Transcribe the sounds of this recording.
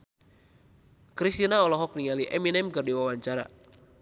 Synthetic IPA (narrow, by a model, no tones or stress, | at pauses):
kɾist̪inaɔlɔɦɔk̚niŋaliʔɛminɛmkərdiwawaɲt͡ʃaɾa̰